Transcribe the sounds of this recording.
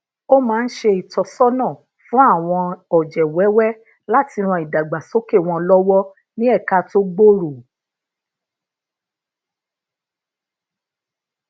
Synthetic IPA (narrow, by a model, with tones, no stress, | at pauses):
o˦mãː˦˧˦n̩˦ʃe˧i˨tɔ˨sɔ˦nã˦˨ | fũ˦a˦˨w̃ɔ̃˧ɔ˨d͡ʒɛ˨wɛ˨˦wɛ˦ | la˦ti˧ɾ̃ɔ̃˧i˨da˨ɡ͡ba˨so˨˦ke˦˨w̃ɔ̃˧lɔ˦wɔ˦ | nĩ˦ɛ˦˨ka˧to˦ɡ͡bo˦ɾo˨